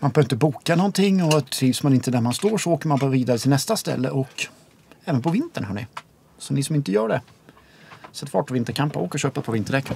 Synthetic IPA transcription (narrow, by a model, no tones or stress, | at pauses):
manbœːɾvɾɪnt̪əbuːkanɔnt̪ʰɪŋːɔt̪ʰɾiːvsmanɪnt̪əd̪æɾmanst̪oːʂɔoːkəɾmanbɑːɾaviːd̪aɾət̪ʰɪlnɛst̪ast̪ɛ̰lːə̰ʔɔk | ɛːvənpʰɔvɪnt̪əɳhœːɳɪ̰ | sɔnɪsɔmɪnt̪əjœːɖɛ | sɛt̪ːfɑ̰ːʈʰɔvɪnt̪əɾkʰampaoːkəʂɕøːpapʰɔvɪnt̪ːəɖɛkː